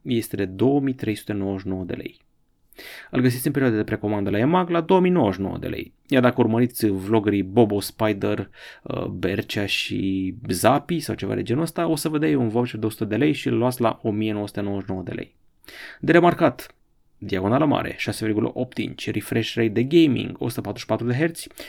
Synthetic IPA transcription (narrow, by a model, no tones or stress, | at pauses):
je̞st̪e̞d̪e̞d̪o̞wəmijt̪ɾe̞jsu̥t̪e̞no̞wəʃ̬ino̞wəd̪e̞le̞̰j | ɨlɡəs̬it̪sʲinpeɾioad̪ad̪e̞pɾe̞ko̞mand̪əlaemaɡlad̪o̞wəmijno̞wəʃino̞̰wə̰d̪ḛlḛj | jard̪akəurməɾit̪sʲvlo̞ɡəɾibo̞bospajd̪ərəbert͡ʃaʃḭzapisawt͡ʃe̞va̰d̪e̞̰d͡ʒe̞nəst̪aosəvəd̪ejunvobt͡ʃeɾd̪eosut̪əd̪e̞le̞jʃiɨlːuat̪sʲla̰ʔo̞mije̞no̞wəsu̥t̪e̞nowəʃno̞wəd̪e̞lḛj | d̪eɾe̞markat̪ | d̪iaɡo̞naləma̰ɾe̞̰ʃase̞virɡulə̰ʔo̞p̚t̪ḭnt͡ʃʲrifɾeʃɾejd̪e̞ɡejmḭŋɡosu̥t̪əpat̪ɾuʃi̥pat̪ɾud̪e̞ɦe̞rt̪sʲ